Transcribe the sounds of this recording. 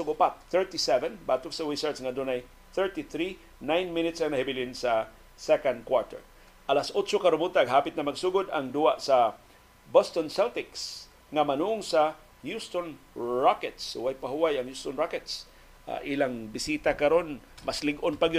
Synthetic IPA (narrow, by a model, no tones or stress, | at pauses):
sʊɡʊpat̪̚θɛɹt̪isɛvɛnbaːt̪ʊksawisəɹt̪sŋad̪unaj | θɛɹt̪iθɾi | najnmɪnɪt̪saŋnahɪbɪlɪnsa | sɛkand̪̚kwaɹt̪ɛ̰ɹ | ʔalasʔot͡ʃokaɾʊnbut̪aʔɡɦapɪt̪namaɡsuɡʊd̪aŋd̪uaʔsa | bɔst̪onsɛlt̪ɪks | ŋamanuʊŋsa | hjust̪onɹakɛt̪shṵwajpaɦuwajaŋjust̪onɹakɛt̪s | a̰ʔilaŋbɪsit̪akaɾonmaslɪɡʔonpaɡjʊ